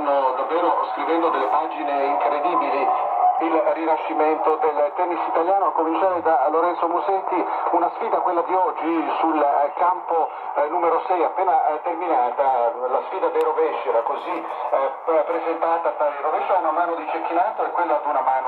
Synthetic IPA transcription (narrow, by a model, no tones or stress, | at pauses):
nːod̪avːeːɾoskɾivɛnd̪od̪elːepaːd͡ʒineiŋkɾed̪iːbiliilrinaʃːiment̪od̪elt̪ɛnːisit̪aljaːnoakːomint͡ʃaːɾed̪aloɾɛnt̪somuzɛt̪ːiunasfiːd̪akwelːad̪iɔd͡ʒːisulkampo | numeɾosɛjapːeːnat̪erminat̪alasfiːd̪ad̪erovɛʃːeɾakozi | pɾezent̪aːt̪ad̪ad̪ɾovɛʃaunamaːnod̪it͡ʃekːinaːt̪oekːwelːad̪unamaːno